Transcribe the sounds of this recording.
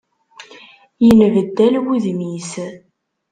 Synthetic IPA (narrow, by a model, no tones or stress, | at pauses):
jənvəd̪ːælwuðmis